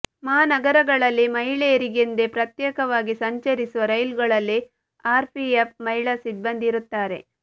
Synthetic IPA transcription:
maːnɐɡɐɾɐɡɐɭɐlːimɐɦiɭeːɾiɡend̪epɾɐt̪jɛːkɐʋaːɡisɐɲt͡ʃɐɾisuʋɐɾɐjlɡɐɭɐlːi | aːɾpʰiɐp̚mɐiɭɐsid̪bɐnd̪iɾut̪ːaːɾe̞̰

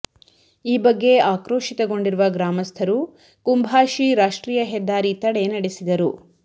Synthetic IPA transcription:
iːbɐɡːe̞aːkɾoːʂit̪ɐɡo̞ɳɖiɾuʋɐɡɾaːmɐst̪ʰɐɾu | kumbʱaːʃiɾaːʂʈɾiːjɐɦɛd̪ːaːɾit̪ɐɽe̞nɐɽesid̪ɐɾu

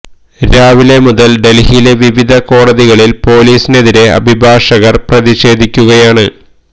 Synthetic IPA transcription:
ɾaːʋilemuðɐlɖe̞lɦileʋiʋid̪ʱɐko̞ːɽɐðiɣɐɭilpo̞ːliːsine̞ðiɾe̞ɐ̰bʱibʱaːʂɐɣɐrprɐðiɕe̞ːd̪ʱikʲːuɣɐjaːɳɨ

